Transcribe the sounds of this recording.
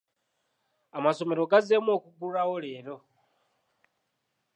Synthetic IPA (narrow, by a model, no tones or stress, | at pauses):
amasomeɾoɡazemokuɡuɾawoleːɾo